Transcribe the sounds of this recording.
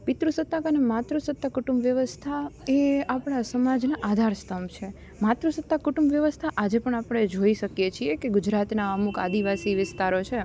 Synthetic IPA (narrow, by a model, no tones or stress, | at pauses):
pɪt̪ɾusət̪ːakənemat̪ɾusət̪ːakuʈumbʋjəʋəst̪ʰaeapɳ̃asəmad͡ʒnaʔad̪ʱaɾst̪ʰəmt͡ʃʰe | mat̪ɾusət̪ːakuʈumbʋjəʋəst̪ʰaʔad͡ʒepəɳ̃apəɳ̃ed͡ʒoiʃəkjet͡ʃʰiekeɡud͡ʒɾat̪naəmuka̰d̪iʋasiʋɪst̪aɾot͡ʃʰe